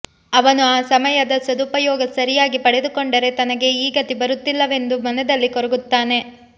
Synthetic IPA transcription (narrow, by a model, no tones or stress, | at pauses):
ɐʋɐnuaːsɐmɐjɐd̪ɐsɐd̪upɐjɔːɡɐsɐɾijaːɡipɐɽe̞d̪ukoɳɖɐɾe̞t̪ɐnɐɡe̞iːɡɐt̪ibɐɾut̪ːilːɐʋe̞nd̪umɐnɛd̪ɐlːikɔɾɐɡut̪ːaːne̞